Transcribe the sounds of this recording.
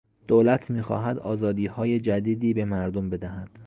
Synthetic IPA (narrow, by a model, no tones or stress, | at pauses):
d̪̥oːlæt̪ʰmiːxɒ̰ːɦæd̪ɒːzɒːd̪iːhɒːje̞d͡ʒæd̪iːd̪iːbe̞mæɾd̪ombe̞d̪æhæd̪̥